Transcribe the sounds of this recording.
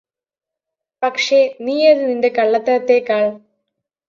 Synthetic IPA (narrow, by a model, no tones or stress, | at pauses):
pɐkʂeniːɐðɨninde̞kɐɭːɐt̪ːɐɐt̪ːekaːɭ